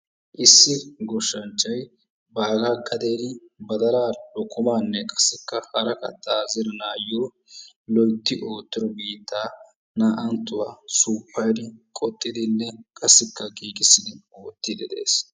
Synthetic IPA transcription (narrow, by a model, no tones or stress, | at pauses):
ʔɪsːɪɡɔʃːɐnt͡ʃʼːɐj | baːɡaɡɐd̪eːd̪ɪ | bɐd̪ɐɾaːlɔkːʊmaːnːɛkʼɐ̥sːɪkːɐhɐɾɐkɐ̰t̪ːaːzɪɾɔnaːjːoː | lɔjt̪ːɪʔo̞ːt̪ːɪd̪ɔbiːt̪ːaː | naːʔɐnt̪ːʊwasuːpʰːɐjd̪ɪkʼɔt̪ʼːɪd̪ɪnːɛkʼɐsːɪkːɐɡiːɡɪsːɪd̪ɪoːt̪ːɪd̪ɛd̪e̞̰ːs